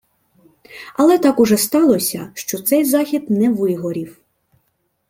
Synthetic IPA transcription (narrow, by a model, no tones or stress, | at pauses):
ɐlˠɛt̪ɑkʊʒɛst̪ɑlˠɔsʲɐʃt͡ʃɔt̪sɛjzɑxʲid̪nɛʋɪɦɔɾʲiw